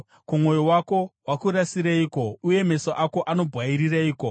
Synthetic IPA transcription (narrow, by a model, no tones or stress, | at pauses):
kumo̞jowako̞wakuɾasiɾaiːko̞uje̞me̞soʔako̞ʔano̞bʱɣwaiɾiraiːko̞